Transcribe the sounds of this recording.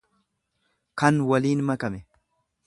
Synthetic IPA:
kɐnwɐliːnmɐkɐmɛ

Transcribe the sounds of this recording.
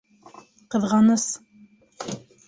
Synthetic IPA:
qɤ̆ðʁɑnɤs

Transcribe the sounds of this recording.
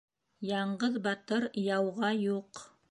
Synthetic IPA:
jɑɴɢɤðbɑt̪ɤɾjɑwʁɑjuq

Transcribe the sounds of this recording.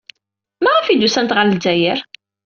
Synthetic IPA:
mæʁæfid̪usænt̪ʁallzæjəɾ

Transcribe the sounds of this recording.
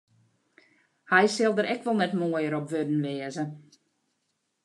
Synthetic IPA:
hɛjsɪlˠdəɾɛkʋɔlˠnɛtmoəjəɾɔpʋødən̩ʋɪəzə

